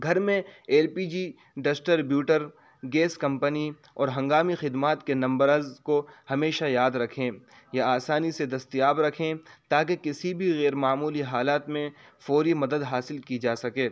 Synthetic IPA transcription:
ɡʱɐɾmẽeːlpiːd͡ʒi | ɖɐsʈəɾbjuːʈəɾ | ɡeːskɐ̃mpəni | ɔːɾɦɐ̃ŋɡaːmixɪd̪maːt̪kenɐ̃mbəɾəzkohɐmeːʃajaːd̪ɾɐkʰẽ | jaaːsaːnised̪ɐst̪ijaːbɾɐkʰẽt̪aːkekɪsibʱiɣɛːɾmaːmuːliɦaːlaːt̪mẽ | fɔːɾimɐd̪əd̪ɦaːsɪlkid͡ʒaːsɐkẽː

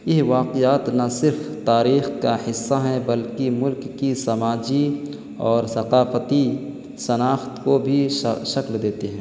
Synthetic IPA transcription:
jɪɦʋaːqɪjaːt̪nɐsɪɾft̪aːɾiːxkahɪsːaɦɛ̃bɐlkimʊlkːisɐmaːd͡ʒi | ɔːɾsɐqaːfət̪i | sɐnaːxt̪kobʱiʃɐkld̪eːt̪eɦɛ̃ː

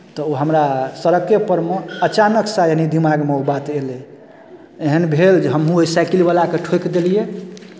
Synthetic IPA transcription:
t̪ɔoɦəmɾasəɾəkepəɾmeət͡ʃanəksaenid̪imaɡmeobat̪ele | eɦənbʱeld͡ʒeɦəmɦũoisajkilibalakeʈʰokd̪elije

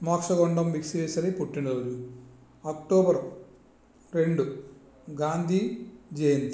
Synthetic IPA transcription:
maːkʂɐɡoɳɖɐmbiksiʋesɐɾipuʈːiɳloːɾu | ɐkʈoːbɐr | ɾe̞ɳɖu | ɡaːnd̪ʱid͡ʑejɐni

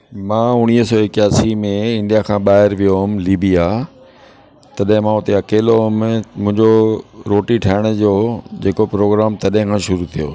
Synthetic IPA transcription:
mãːʊɽ̃iːɦsɔːekjaːsimẽɪ̃ɳɖijakʰãːɓaːɦɪɾʋijoɦʊmliːbija | t̪ɐɗɦɪ̃mãːʊt̪eɐkeːloɦʊmmʊ̃ɦɪ̃ɲd͡ʑoɾoːʈiʈʰaːɪɽ̃ʊ̆d͡ʑoːd͡ʑeːkopɾoːɡɾaːmt̪ɐɗɦɪ̃kʰãːʃʊɾut̪ʰijo̰

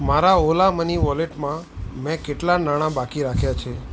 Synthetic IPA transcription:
maɾaolaməniʋɔleʈmãmɛ̃keʈlanaɽ̃ãbakiɾakʰjat͡ʃʰe

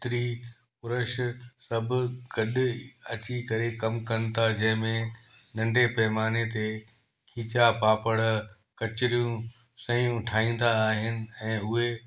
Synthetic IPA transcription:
t̪ɪɾi | ʊɾəʃsɐbʱʊɡ̥ɐɗɐt͡ɕikɐɾekɐmkɐnɪt̪ʰad͡ʑɐ̃ɦɪ̃mẽ | nɐ̃ɳɖʱepɛɦmaːnet̪e | kʰiːt͡ɕapaːpəɽ | kɐt͡ɕɪɾijũ | sɐ̃jũʈʰaːĩːn̆d̪aːɦɪnɪ̆ɛ̃ːʊɦe

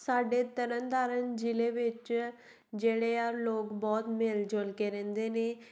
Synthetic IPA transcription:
saːɖeːt̪əɾənd̪aːɾənd͡ʒɪleːʋɪt͡ʃ | d͡ʒeːɽeːaːɾloːkbɔːt̪meːld͡ʒolkeːɾɛ̃ːnd̪eːneː

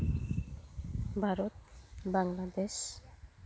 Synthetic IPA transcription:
bʱaɾot̪̚baŋlad̪eʃ

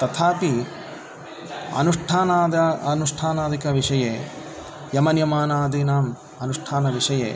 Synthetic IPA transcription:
t̪ɐt̪ʰaːpi | ɐ̰nuʂʈʰaːnaːd̪ɐɐnuʂʈʰaːnaːd̪ikɐʋiʂɐjeː | jɐmɐnjɐmaːnaːd̪ʱinaːm | ɐnuʂʈʰaːnɐʋiʂɐjḛː

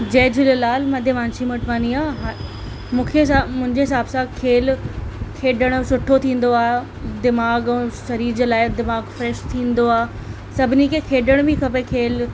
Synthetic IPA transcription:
d͡ʑeːd͡ʑɪllaːlmɐd̪ʱeʋãːnsimɐʈʰʋaːniaːɦa | mũːkʰeɦɪamʊ̃ɦɪ̃ɲd͡ʑeɦɪsaːbsãkʰeːlkʰeːɗəɽ̃sʊʈʰot̪ʰĩːn̆d̪oaːe | d̪ɪmaːɡʃɐɾiːɾd͡ʑelaːɪd̪ɪmaːɡfɾɛʃt̪ʰĩːnd̪oaː | sɐbʱɪnikʰekʰeːɗəɽ̃bikʰɐp̬ekʰeːl

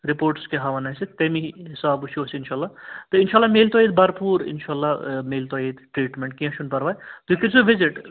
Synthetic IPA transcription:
ɾipoːɾʈskeɦaʋɐnɐset̪emiɦisaːbut͡ʃʰosinʃaːlːat̪əinʃaːlːameːlt̪oːid̪̚bɐɾpuːɾɪ̰nʃaːlːameːlt̪oid̪ʈɾiːʈmeɳʈkiɐ̃ʃunpɐɾbaːjt̪ukiɾsuʋiziʈ

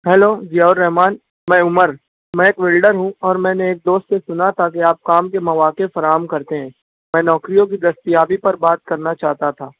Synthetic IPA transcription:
ɦɛːloːzijaːʊɾːɛɦmaːn | mɛ̃ːʊməɾ | mɛ̃eːkʋɪlɖəɾɦũɔːɾmɛ̃ːneeːk̚d̪oːst̪sesʊnat̪ʰakeaːp̚kaːmkemɐʋaːkefɐɾaːɦəmkɐɾt̪eɦɛ̃ː | mɛ̃ːnɔːkɾijõk̬id̪ɐst̪ijaːbipɐɾbaːt̪̚kɐɾnat͡ʃaːɦt̪at̪ʰaː

